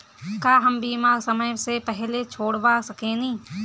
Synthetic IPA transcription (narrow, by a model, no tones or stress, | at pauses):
kaːɦəmbiːmaːɾsəməjsepɛɦlet͡ʃʰoːɽbasəkẽnĩː